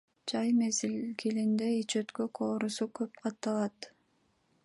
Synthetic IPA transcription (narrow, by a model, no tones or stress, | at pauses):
d͡ʒɑjmezilkilind̪eit͡ʃøt̪køkʰoːɾusukøp̚qʰɑt̪ːɑlˠɑt̪